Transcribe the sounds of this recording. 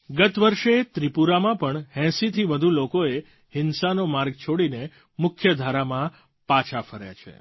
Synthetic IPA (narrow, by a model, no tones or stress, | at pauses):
ɡət̪ʋəɾʃet̪ɾipuɾamãpəɳhɛ̃sit̪ʰiʋəd̪ʱulokoe | hɪnsanomaɾɡt͡ʃʰoɽine | mʊkʰjəd̪ʱaɾamã | pat͡ʃʰafəɾja̰t͡ʃʰḛ